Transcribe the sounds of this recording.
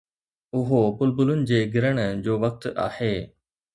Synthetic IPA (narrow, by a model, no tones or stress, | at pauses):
ʊɦopʊlbʊlʊnɪ̆d͡ʑeːɡɪɾəɽ̃d͡ʑoːʋɐk̚t̪a̰ːheː